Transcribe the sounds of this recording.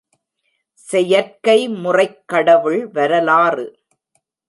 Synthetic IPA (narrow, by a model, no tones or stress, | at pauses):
sɛjɐɾkɐɪmʊrɐɪkːɐɽɐʋɯɭʋɐɾɐlaːrɯ